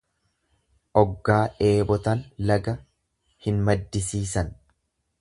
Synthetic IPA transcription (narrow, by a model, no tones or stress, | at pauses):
ʔɔɡːaːʔe̞ːbɔt̪ɐnlɐɡɐ | hɪnmɐd̪ːɪsiːsɐn